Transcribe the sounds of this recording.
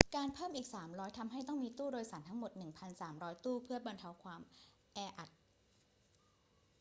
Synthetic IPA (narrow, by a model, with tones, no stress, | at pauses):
kaː˧npʰɤː˥˩mʔiː˨˩k̚saː˩˦mɾɔː˦˥jt̪ʰa˧mɦa˥˩jt̪ɔ˥˩ŋmiː˧t̪uː˥˩ɾoː˧jsa˩˦nt̪ʰa˦˥ŋmo˨˩t̪̚nɯ˨˩ŋpʰa˧nsaː˩˦mɾɔː˦˥jt̪uː˥˩pʰɯ˥˩ɐba˧nt̪ʰa˧˥wkʰwaː˧m | ʔɛː˧ʔa˨˩t̪̚